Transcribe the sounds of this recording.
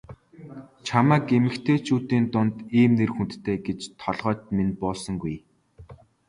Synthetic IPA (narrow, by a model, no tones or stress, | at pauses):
t͡ɕʰamæːkemɘ̆kt̪ʰeːt͡ɕʰuːt̪iːnt̪ʊnt̪iːmnerxunt̪t̪ʰeːɡet͡ɕt̪ʰɔɮʁœːt̪menpɔːɮsɞ̆ŋɡuj